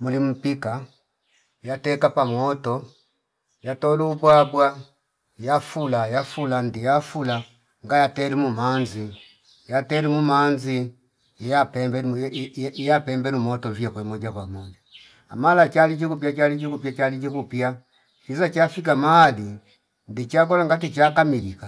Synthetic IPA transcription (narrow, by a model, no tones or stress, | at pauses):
mulim̩pika | jatɛkapamwɔtɔ | jatɔlubwabwa | jafulajafulandijafula | ŋɡajatɛlimumanzi | jatɛlumumanzi | japɛmbɛ | ijapɛmbɛɾumɔtɔviakwɛmɔd͡ʒakwamanzi | a̰malat͡ʃalit͡ʃikupjat͡ʃalit͡ʃikupjat͡ʃalit͡ʃikupja | kizat͡ʃafik̬amahali | ndit͡ʃak̬ɔlaŋɡat̬it͡ʃakamilika